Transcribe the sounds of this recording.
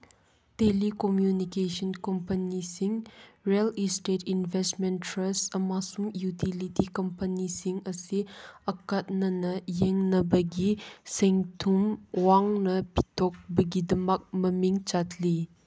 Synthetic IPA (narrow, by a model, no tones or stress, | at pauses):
telikomjunikesɔnkompɐnisiŋɾelistetinbʱestmenɾɐsɐmasumjutʰilitikɐmpɐnisiŋɐsiɐkɐt̚nɐnɐjeŋnɐbɐɡiseŋtʰumwaŋnɐpʰi̥tʰɔk̚bɐɡidɐmɐk̚mɐmiŋt͡ʃatʰli